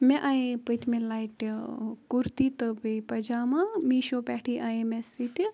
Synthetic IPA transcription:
mẽʔaːĩpət̪mẽlaːjʈikuɾt̪it̪ɨbipɐd͡ʒaːmãmiːʃoːpɛːʈʰiʔaːẽmẽsit̪i

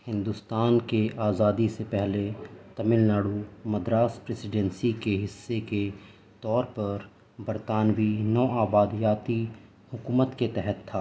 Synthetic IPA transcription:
hɪ̃nd̪ʊst̪aːnkeʔaːzaːd̪isepɛɦlet̪ɐmɪlnaːɽumɐd̪ɾaːspɾeːsɪɖɛ̃nsikeɦɪsːeke | t̪ɔːɾpɐɾ | bɐɾt̪aːnʋinɔːʔaːbaːd̪jaːt̪i | hʊkuːmət̪ket̪ɛɦɛt̪ʰːaː

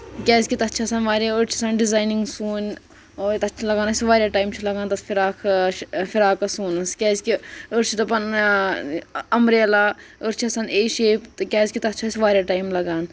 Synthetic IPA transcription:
kʲaːskʲit̪ɐt̪ːt͡ʃʰasaːnʋaːɾjaəɾt͡ʃʰisaːnɖizaːjniŋɡsuːn | oːt̪ɐt̪ːt͡ʃʰilɐɡaːnɐsʲiʋaːɾʲjaːʈaːjmt͡ʃʰilɐɡaːnt̪ɐsfiɾaːkfiɾaːkɐsuːnɨskʲɛːskiəɾt͡ʃʰit̪ɐpɐn | ɐmɾeːlaːəɾt͡ʃʰiɐsaneːʃeːpt̪kʲaːskʲit̪ɐt̪ːt͡ʃʰasiʋaːɾʲjaːʈaːjmlɐɡaːn

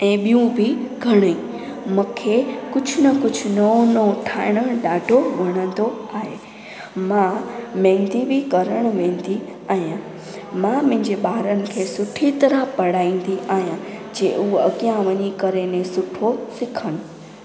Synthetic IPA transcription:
ɛ̃ːɓijũbʱiɡʱɐɽ̃eĩ | mʊ̃kʰekʊd͡ʑʱʊnɐkʊd͡ʑʱʊnonõʈʰaːɪɽ̃əɽ̃ɗaːɖʱoʋɐɽ̃ə̃nd̪oaːɦeː | mãmɛ̃ːŋd̪ibikɐɾəɽ̃ʋẽːnd̪i | aːɦijã | mãmʊ̃ɦɪ̃ɲd͡ʑeɓaːɾənɪ̆kʰeːsʊʈʰit̪ɐɾəpɐɽaːĩːn̆d̪iʔaːɦjãd͡ʑeːuɐɠijãʋɐɲikɐɾenẽsʊʈʰosɪkʰəɽ̃ʊ

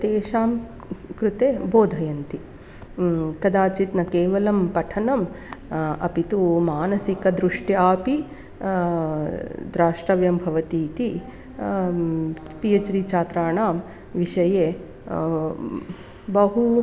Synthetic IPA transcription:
t̪eːʃaːm | kɾut̪eːboːd̪ʱɐjɐnt̪i | kɐd̪aːt͡ʃit̪nɐkeːʋɐlɐmpɐʈʰɐnɐm | ɐ̰pit̪umaːnɐsikɐd̪ɾuʂʈjaːpi | d̪ɾaːʂʈɾɐʋjɐmbʱɐʋɐt̪iːt̪i | pijɐt͡ʃɾit͡ʃaːt̪ɾaːɳaːm | ʋiʃɐjeː | bɐɦu

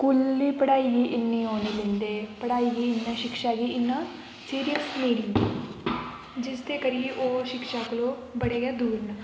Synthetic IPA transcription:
kʊlːiːpəɽaːiːɡiːʔɪnːiːɦoːneːlẽːnd̪eːpəɽaːiːɡiːɪnːãːʃɪkʃaːɡiːɪnːãː | siːɾijəsmiːɽɪŋ | d͡ʒɪsd̪eːkəɾijeːʔoːʃɪkʃaːkəloː | bəɽeːɡɛːd̪uːɾnaː

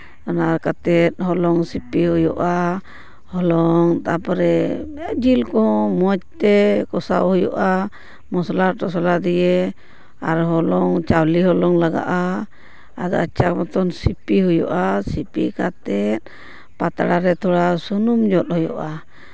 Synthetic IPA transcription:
naɾkat̪ɛt̪̚ɦɔlɔŋsipiɦujɔ̰ʔa | hɔlɔŋt̪apɔɾɛɛd͡ʒilkɔmɔt͡ʃ̚t̪ɛkɔsa̰whujɔ̰ʔa | mɔslaɾʈɔsɔlad̪ije | aɾɦɔlɔŋt͡ʃawliɦɔlɔŋlaɡa̰ʔaː | d̪ɔ̰at͡ʃakmɔt̪ɔnsipiɦujɔ̰ʔasipḭkat̪ɛt̪̚ | pat̪aɽaɾɛt̪ʰɔɽasunumd͡ʒɔt̪̚hujɔ̰ʔa

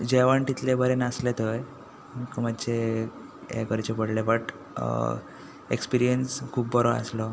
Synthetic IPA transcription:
d͡ʑeʋaɳʈ̪it̪lebəɾenəslet̪əj | komad̪t͡ɕe | ḛkəɾt͡ɕepəɽlebəʈ | ekspiɾijənskʰuːp̚bʱəɾoa̰slɔ

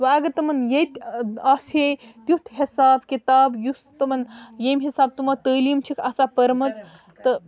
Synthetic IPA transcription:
ʋɐɐɡɐɾt̪ɐmɐnjet̪ʲɐshet̪ʲjut̪ʰhisaːbkit̪aːbjust̪ɨmɐnjemɦisaːb̚t̪umat̪əːlimt͡ʃʰikʰɐsapəɾmɐt͡s | t̪ɨ

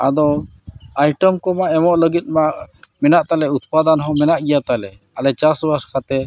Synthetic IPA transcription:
a̰d̪ɔ | ajʈəmkɔmaʔɛmɔʔləɡit̪̚maʔmɛnaʔt̪alɛut̪̚pad̪anɦɔ̃mɛnaʔɡijat̪alɛ | alɛt͡ʃasbaɾskat̪ɛ

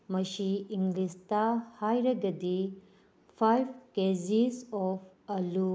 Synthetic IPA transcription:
mɐsiːŋɡlistahajɾɐɡɐdi | pʰajbʰkezisɔpʰ | ɐlu

